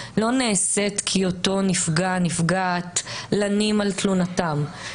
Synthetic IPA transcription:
lo̞neːse̞tkʰioto̞nifɡanifɡaːtlanimalt̪lunatam

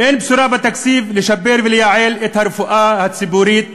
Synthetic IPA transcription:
ʔeːnbsuɾaːbat̪ːaksiːflɪʃɐbːeːɾviljaːʕeːlʔet̪haɾfuʔaːhasibuːɾiːt̪̚

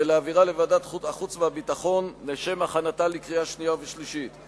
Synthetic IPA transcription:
eleaviʁalevadataχut͡smeabitaχo̞nːeʃe̞maχanatalikʁijaʃnijaveʃliʃit

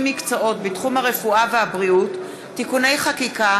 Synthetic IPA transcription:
mikt͡soʔo̞tbitχumhaʁe̞fuaveabʁiutː | ikune̞jχakika

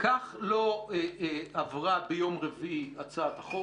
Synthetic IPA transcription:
kaχloeavʁabejo̞mʁeviiat͡sat̪aχo

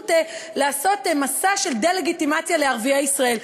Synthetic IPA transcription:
telaːso̞tmasaʃe̞ld̪ele̞ɡitimat͡sjale̞aʁviaisʁae̞l

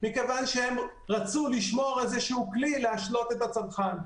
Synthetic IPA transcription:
mikevanʃehem | ʁat͡suliʃmo̞ʁezeʃuuklilehaʃlo̞t̪e̞t̪at͡samχan

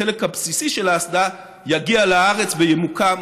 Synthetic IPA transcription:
elekhapsisiʃelaːsd̪a | jaɡialaaʁet͡svejemuka

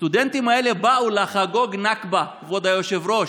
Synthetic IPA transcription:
st̪ud̪ent̪imaele̞baulaχaɡo̞ɡnakba | vod̪ajoʃevɾo̞ʃ

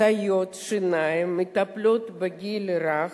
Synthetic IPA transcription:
ɐjot̪ʂɨnajɪmɨt̪ɐplʲot̪bɐɡʲilʲɾax

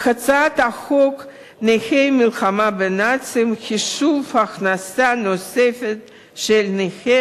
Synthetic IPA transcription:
χat͡sat̪aχok | nexejmilxamabenat͡simxiʃuvaːχnasanosefet̪ | ʃelnexe

